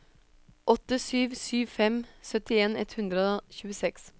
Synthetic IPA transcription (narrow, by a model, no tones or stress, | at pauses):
ʔɔt̪əsyːʋsyːʋfɛmsœt̪ɪeːnɛ̰t̪hʉnd̪ɾəoçʉːəsɛks